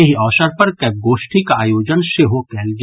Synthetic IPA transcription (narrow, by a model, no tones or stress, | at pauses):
ɐɦiɔːʃəɾpɐɾkɛːp̚ɡoːʃʈikaaːjoːd͡ʒənseɦokɛːld͡ʒ